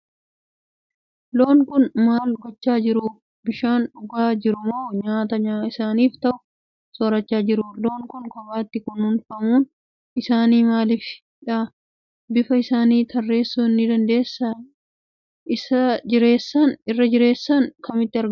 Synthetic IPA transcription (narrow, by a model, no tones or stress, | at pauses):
loːŋkʊnmaːlɡɔt͡ʃːaːd͡ʒɪɾuːf | bɪʃaːnᶑʊɡaːd͡ʒɪɾʊmoːɲaːt̪ɐɲaːɪsaːniːft̪ɐʔʊ | soːɾɐt͡ʃːaːd͡ʒɪɾuːlo̞ːŋkʊnkɐbaːt̪ːɪkʊnhʊnfɐmuːn | ɪsaːniːmaːliːf | ᶑaː | bɪfɐɪsaːniːt̪ɐrːe̞ːsːoːɪnːɪd̪ɐnd̪e̞ːsːa | ʔɪsɐd͡ʒɪɾe̞ːsːanɪrːɐd͡ʒɪɾe̞ːsːɐŋkʰɐmɪt̪ːɪɐɾɡ